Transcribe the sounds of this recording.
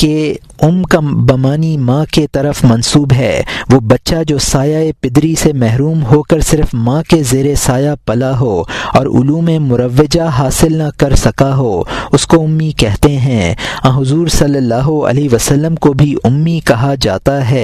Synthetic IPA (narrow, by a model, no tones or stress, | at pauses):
ke | ʊmkabɐmaːnimãːket̪ɐɾəfmɐnsuːbɦɛ̰ːʋoːbɐtːʃad͡ʒoːsaːjaepɪd̪ɾisemɛɦɾuːmɦoːkɐɾsɪɾfmãːkezeːɾesaːjapɐlaɦoːɔːɾʊ̰luːmẽmʊɾəʋːɪd͡ʒaɦaːsɪlnakɐɾsɐkaɦoːʊskoʊmːikɛɦt̪eɦɛ̃ːãɦʊzuːɾsɐlːəlːaːɦoɐ̰liʋəsɐlːəmkobʱiʊmːikɐɦad͡ʒa̰ːt̪aɦɛː